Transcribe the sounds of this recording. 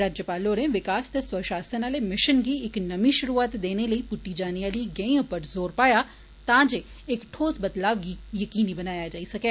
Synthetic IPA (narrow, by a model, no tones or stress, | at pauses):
ɾaːd͡ʒjəpaːloːɾẽʋɪkaːst̪eswɐʃaːsənalemɪʃənɡiɪknɐmiʃʊɾuːaːt̪d̪eːnelɐipʊʈːid͡ʒaːnijaliɡɛ̃ɪ̃ɡpɐɾzoːɾpaːja | t̪ãːd͡ʒe | eːkʈʰoːsbɐd̪laːʋɡijɐkiːnibɐnaːjad͡ʒaːisɐkeː